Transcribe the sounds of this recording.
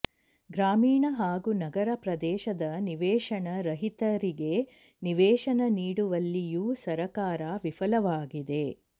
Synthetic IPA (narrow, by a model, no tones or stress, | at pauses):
ɡɾaːmiːɳɐɦaːɡunɐɡɐɾɐpɾɐd̪ɛːʃɐd̪ɐniʋɛːʃɐɳɐɾɐɦit̪ɐɾiɡe̞ | niʋɛːʃɐnɐniːɽuʋɐlːijuːsɐɾɐkaːɾaʋifɐlɐʋaːɡid̪e̞